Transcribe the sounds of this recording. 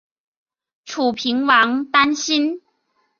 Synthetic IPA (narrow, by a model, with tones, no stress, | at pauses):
ʈ͡ʂʰu˨˩pʰi˧˥ŋwɑ˧˥ŋt̪a˥nɕi˥n